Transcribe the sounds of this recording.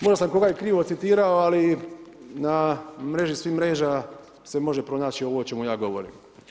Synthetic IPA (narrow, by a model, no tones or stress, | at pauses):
mo̞ʒdasamko̞ɡajekɾiːʋo̞t̪sit̪iːɾaoali | namɾe̞ʒisʋiːmɾe̞ːʒa | se̞mo̞ʒe̞pɾo̞naːt͡ɕio̞ʋoot͡ʃe̞mujaːɡo̞ʋoɾḭːm